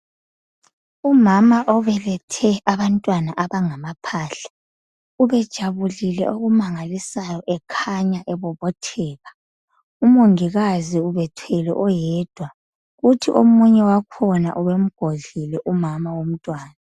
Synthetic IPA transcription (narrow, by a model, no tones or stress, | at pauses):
umamaʔɔβɛlɛtʰɛaβantʼwanaʔaβaŋamapʰaːɬḁ | uβɛd̥ʒ̥ʱaβulilɛ̰ʔoɣumaŋalisajɔʔɛkʰaɲaʔɛβɔβɔtʰɛːɣa | umoŋiɣaziuβɛtʰɛlɛ̰ʔɔjɛd̥ʱwa | ɣutʰḭʔomuɲɛwakʰɔna̰ʔuβem̩ɡ̥ʱoɮilɛʔumamawom̩tʼwaːna